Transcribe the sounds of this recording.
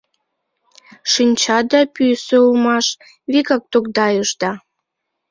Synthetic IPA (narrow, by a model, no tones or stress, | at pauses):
ʃinʲt͡ɕɑd̪ɑpysøulmɑʃ | βiɣɑk̚t̪okd̪ɑjəʃd̪ɑ